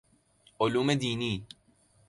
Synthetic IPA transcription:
ʔʊluːmd̪iːniː

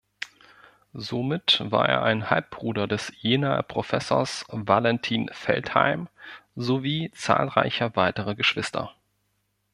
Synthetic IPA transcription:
zomɪtv̥a̰ːɐʔḛːɐʔaɪnhalp̚b̥ʁuːdɐdɛsjeːnapʁ̥ofɛso̰ːɐsvalɛntʰiːnfɛ̰ltha̰ɪmzoviːt͡sa̰ːlʁa̰ɪçɐvaɪtəʁəɡəʃv̥ɪstʰɐ̰

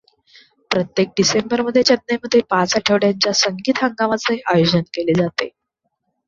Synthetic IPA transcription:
pɾət̪jek̚ɖisembəɾməd̪ʱːjet͡ɕəd̪̚neməd̪ʱːjepat͡saʈʰeʋɽjaɲt͡ɕjasəŋɡiːt̪ɦəŋɡaʋat͡seʔajod͡ʑənkeled͡zat̪ḛ

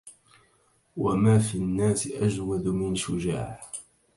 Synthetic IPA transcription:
wamaːfinːaːsɪʔad͡ʒwad̪mɪnʃʊd͡ʒa̰ːħ

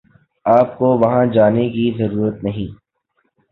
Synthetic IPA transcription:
aːpkoʋɐɦãd͡ʒaːnekizɐɾuːɾət̪nɐɦĩː

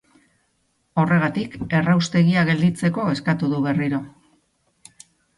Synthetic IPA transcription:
o̞re̞ɣat̪ike̞rawst̪e̞ɣiaɣe̞ld̪it͡se̞ko̞e̞skat̪uðuβe̞riɾo̞

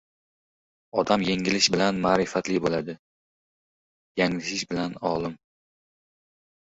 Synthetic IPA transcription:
ɒd̪amjeŋɪlɪʃbɪlanmaːɾɪfat̪lɪbolad̪ɪ | jaŋlɪʃɪʃbɪlanɒlˠɪm

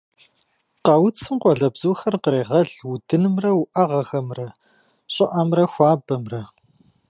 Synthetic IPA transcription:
qɐwt͡sʰɨmqʷɔɮɐbz̥uwxɐrqəɾeːʁɐɮwudɨnɨmrɐwʊʔɐʁɐxɐmrɐ | ɕʼɪʔɐmrɐxʷɑːbɐmrɐ

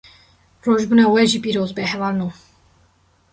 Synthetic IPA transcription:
rɔʒbunɛwɛʒipʼiɾɔzbɛɦɛvalnu

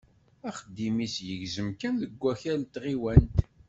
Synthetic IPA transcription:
æχəd̪ːimisjəʝzəmkænðəɡʷːæçælt̪ʁiwænt̪

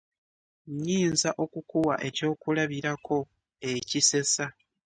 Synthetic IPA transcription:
ɲiːnzaʔo̞kukuwaʔe̞co̞ːkulaβiɾakʰo̞ | e̞cise̞sa

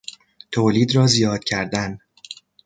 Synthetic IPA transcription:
t̪ʰoːliːd̪ɾɒːzijɒːd̪̥̚cʰæɾd̪æn

